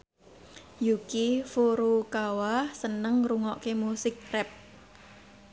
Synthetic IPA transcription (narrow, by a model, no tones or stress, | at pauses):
jukifuɾukawahsənəŋɾuŋɔʔkemusɪk̚rɛp̚